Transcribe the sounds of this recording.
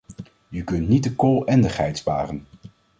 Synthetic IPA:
əkɵntnit̚dəkoːlˠɛndəχɦɛjtspa̰ːrən

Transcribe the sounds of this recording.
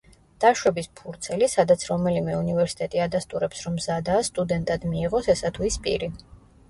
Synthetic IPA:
d̪̥aʃwɛbispʰuɾt̪sʰɛlisad̪at̪sʰɾɔmɛlimɛunivɛɾsi̥t̪ʼɛt̪ʼiad̪ast̪ʼuɾɛpsɾɔmzad̪aːst̪ʼud̪ɛnt̪ʼad̪miːʁɔsɛsat̪ʰuispʼḭɾi

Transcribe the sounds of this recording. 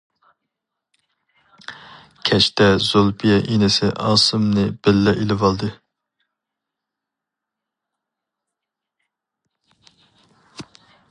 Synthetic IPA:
kʲʰɛt͡ʃt̪ɛzolˠpʰijɛʔinɪsɪʔɑːsɨmnɨb̥ɪlːɛʔilɪvɑlˠd̪ɨ

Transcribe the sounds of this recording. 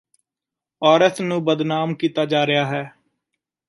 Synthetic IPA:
ɔːɾət̪ʰnũːbəd̪naːmkiːt̪aːd͡ʒaːɾɪjaːɦɛː

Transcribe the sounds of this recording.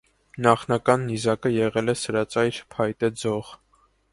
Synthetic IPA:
nɑχnɑkɑnːizɑkəjɛʁɛlɛsəɾɑt͡sɑjɾpʰɑjt̪ɛd͡zɔʁ

